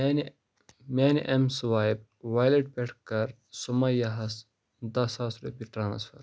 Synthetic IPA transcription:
n | maːniʔemsuʋaːjb̚ | ʋaːjleʈ̚peʈʰkɐɾ | sumɐjɐɦɐs | d̪ɐsasɾṵpiʈɾaːnsfɐ̰ɾ

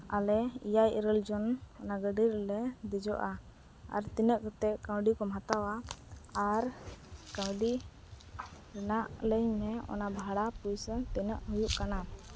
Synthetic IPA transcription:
alɛḭjajiɾəld͡ʒɔnɔnaɡəɖiɾɛlɛd̪ɛd͡ʒɔʔa | a̰ɾt̪inəʔkɔt̪ɛʔkãwɖikɔmɦat̪awaaɾkawɖi | ɾɛnaʔləɲmɛɔ̰nabʱaɽapujst̪inəʔɦujuʔkana

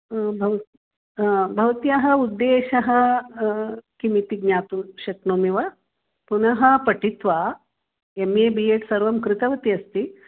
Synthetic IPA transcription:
bʱɐʋ | abʱɐʋt̪ijɐɦɐud̪ːeːɕɐɦɐ̆ | kimit̪iɡɲaːt̪uɕɐknoːmiʋɐ | punɐɦɐ̆pɐʈit̪ʋa | emjebieːʈsɐɾʋɐmkɾɪt̪ɐʋɐt̪iɐst̪i

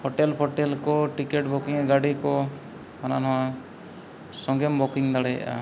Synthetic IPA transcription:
pʰɔʈelpʰɔʈelkɔʈikeʈbɔkiŋɛɡaɽikɔ | hananɔwa | sɔŋɡembɔkiŋd̪aɽɛj̰ʔa̰

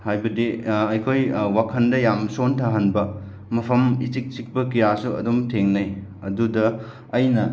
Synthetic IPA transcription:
hajbɐdiɐjkʰojwakʰɐndɐjamsontʰaɦɐnbɐ | mɐpʰɐmit͡ʃik̚t͡ʃik̚pɐkijasuɐ̰dumtʰeŋnajɐdudɐː | jnɐ

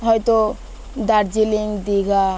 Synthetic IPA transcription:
ɦɔjt̪o | d̪aɾd͡ʒiliŋd̪iɡʱa

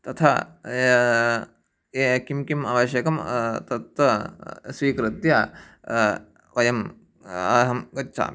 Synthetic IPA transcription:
t̪ɐt̪ʰɐ | ekimkimɐʋɐʃjɐkɐmt̪ɐt̪ʋɐsʋiːkɾɨt̪jɐ | ʋɐjɐm | ɐɦɐmɡɐtːsa̰ːmi

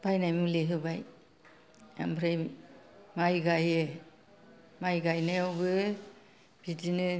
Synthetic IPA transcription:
b̥ajnajmuleɦɯbaj | a̰mbʰɾaj | majɡajɯ | majɡajnajɔwbɯ | b̥idinɯ

